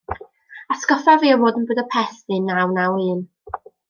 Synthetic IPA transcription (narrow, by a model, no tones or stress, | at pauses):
askɔfaviːɔvoːdənbɨdɔpʰɛθvɨnːawnawɨːn